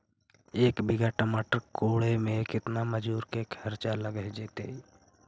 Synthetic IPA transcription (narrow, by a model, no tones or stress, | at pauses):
eːkbɪɡaʈəmaːʈəɾkoːɽemẽkɪt̪naməd͡ʒuːɾkekʰəɾt͡ʃaləɡəɦd͡ʒeːt̪e